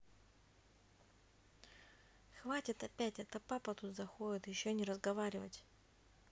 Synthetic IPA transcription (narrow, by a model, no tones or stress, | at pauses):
xvatʲɪt̪ɐpʲætʲɛt̪əpapət̪ut̪zɐxoɪt̪jɪɕːonʲɪɾəzɡɐvaɾʲɪvətʲ